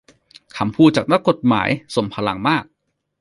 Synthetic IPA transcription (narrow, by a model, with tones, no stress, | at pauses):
kʰa˨˩˦mpʰuː˥˩t̪̚t͡ɕaː˨˩k̚na˦˥kːo˨˩t̪̚ma̰ː˩˦jso˨˩˦mpʰa˧la˨˦ŋmaː˥˩k̚